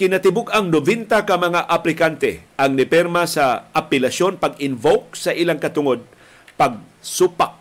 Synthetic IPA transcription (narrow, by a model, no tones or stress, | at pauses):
kɪnɐt̪ɪbʊɡɐŋnovɛnt̪ɐkɐmɐŋaʔɐplɪkant̪ɛ̰ʔɐŋnɪpɛɾmɐsɐʔɐpɛlɐʃjo̞npɐɡɪnvok̚sɐʔɪlaŋkɐt̪ʊŋo̞d̪̚ | pɐɡ̚ | supak̚